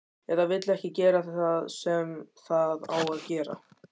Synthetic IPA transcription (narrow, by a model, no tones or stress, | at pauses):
ɛɾðavɪt̪lɛhcɪcɛːɾaθθaðsɛmθaða̰ːwaðcɛːɾa̰